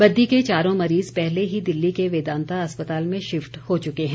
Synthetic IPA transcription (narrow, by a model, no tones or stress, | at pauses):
bɐd̪ːiket͡ʃaːɾõmɐɾiːzpɛɦleɦid̪ɪlːikeʋeːd̪ãːnt̪aɐspət̪aːlmẽʃɪfʈhot͡ʃʊkeɦɛ̃